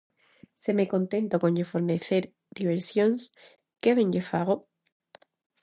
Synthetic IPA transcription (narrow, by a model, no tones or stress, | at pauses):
semeko̞nt̪e̞nt̪okonɟefoɾneθeɾ | d̪̥iβ̞eɾsjons | keβẽɲɟefaɣ̞o